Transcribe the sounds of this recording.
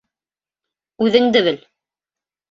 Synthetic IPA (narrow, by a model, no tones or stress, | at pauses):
ʉðɘŋd̪ɘβɘl